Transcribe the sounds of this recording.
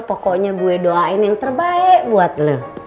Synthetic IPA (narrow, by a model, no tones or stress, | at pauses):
pokoʔɲaɡuɛdoaɪnjaŋt̪ərbaɛʔbuat̪̚ləh